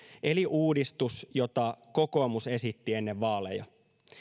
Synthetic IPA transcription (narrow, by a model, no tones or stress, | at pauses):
ʔe̞liʔuːdist̪usjo̞t̪ɑko̞ko̞ːmuse̞sit̪ːie̞nːeʋːɑːle̞̰jɑ̰